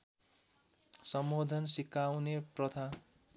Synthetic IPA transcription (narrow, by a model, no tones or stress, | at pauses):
sʌmbod̪ʱʌnsikawneprʌt̪ʰa